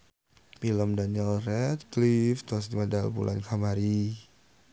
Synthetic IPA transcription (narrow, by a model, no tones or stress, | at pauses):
pilɔmdaniɛlrɛt̪klift̪asd̪imadalbṵlʔa̰nkʰamaɾi